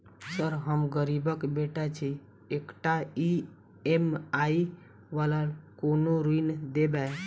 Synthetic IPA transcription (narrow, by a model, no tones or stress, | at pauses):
səɾɦəmɡəɾibəkbeʈat͡ʃʰi | ekʈai | emai | ʋalakonoɾuind̪ebae